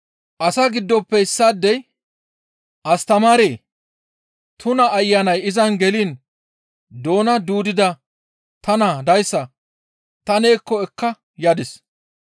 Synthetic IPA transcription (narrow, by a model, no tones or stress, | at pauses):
ʔɐsaɡɪd̪ːɔpːɛɪsːaːd̪ːɛj | ʔɐst̪ɐmaːɾeː | t̪ʰʊnɐːjːanɐjɪzɐnɡɛliːn | d̪o̞ːnɐd̪uːd̪ɪd̪ɐ | t̪ɐnad̪ɐjsːɐ | t̪ɐneːkːɔɛkːɐ | jaːd̪ɪs